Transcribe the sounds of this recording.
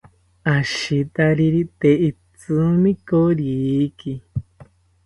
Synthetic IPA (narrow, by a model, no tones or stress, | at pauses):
aʃit̪aɾiɾit̪ei | t͡sɨmĩkoɾiki